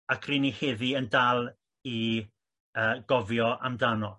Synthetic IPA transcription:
akʰriniheðiəndalˠ | i | əːɡɔvjɔʔamdanɔ

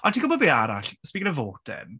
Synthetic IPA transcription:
ɔtʰiːɡʊbɔbeːaɾa̰ɬsmiɡənəvoːd̥ɪ̰n

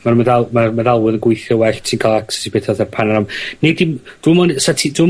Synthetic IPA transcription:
manmadalˠmamadalˠwəðənɡwɪjθjɔwɛɬsinkʰalˠaksḁtʰibeːtʰaðθɛpʰanaɾamnedimd̥wɪmɔnsatʰidwi

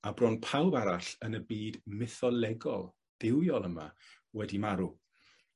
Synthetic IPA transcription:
abrɔnpʰawbaɾaɬənəbiːdmɪθɔlɛɡɔ̰lˠ | ð̥ɪwjɔlˠəma̰ | wɛdimaɾu

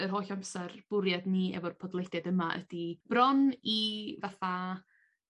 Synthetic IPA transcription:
ərɦoːjɬamsɛrb̥ʊɾjadniːɛ̰vɔrpʰɔdlˠedɛdəmaʔə̰d̥ib̥rɔnivaθa

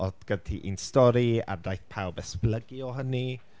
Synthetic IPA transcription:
ɔdɡ̥ətʰiʔḭnstɔɾia̰dajθpʰawbɛspləɡiɔɦəni

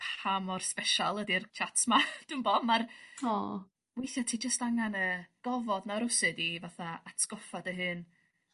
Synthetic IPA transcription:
pʰamɔrspɛʃalˠədirt͡ʃʰatsmad̥unmbɔmarɔ | wejθjɔtʰiːd͡ʒəstaŋanəɡ̥ɔvɔdnaɾʊsɨdivaθaatsɡɔfadəɦɨn

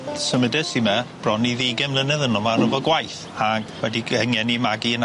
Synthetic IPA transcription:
səmədɛsimɛb̥rɔnːiðiɡɛmlˠənəðənɔmaɾəvɔɡwajθ | aɡwɛdiəŋɛnimaɡiən

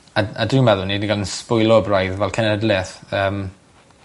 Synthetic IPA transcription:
aa̰dɪmɛðʊniniɡalˠənspʊjɨlˠɔəbrajðvɛlˠkʰənədlɪθəːm

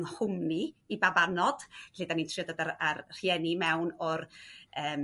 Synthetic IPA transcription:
nhʊmniibavanɔd̥ledanintʰrijɔdɔdararr̥jɛnimɛwnɔrəːm

